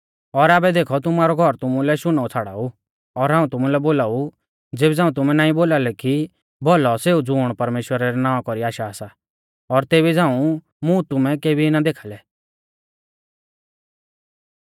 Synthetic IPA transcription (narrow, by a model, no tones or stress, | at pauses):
ɔɾaːbɛd̪eːkʰɔt̪ʊmaːɾɔɡʱɔɾt̪ʊmũlɛʃʊnaːut͡sʰaːɽa̰ːu | ɔɾɦãːũt̪ʊmũlɛboːlaːu | d͡zeːbɛd͡zãːũt̪ʊmɛ̃naːĩboːlalɛki | bɔlɔseːud͡zʊːɽ̃pɐɾmeːʃwəɾaɾɛnaːãkɔɾiaːʃaːsa | ɔɾt̪eːβid͡zãːũ | mũt̪ʊmɛ̃keːbʱiɪnad̪eːkʰalɛ